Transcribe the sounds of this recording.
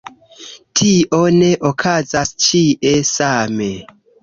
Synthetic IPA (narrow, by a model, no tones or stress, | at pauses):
tʰiʔo̞ne̞ʔokʰazast͡ʃiʔesame̞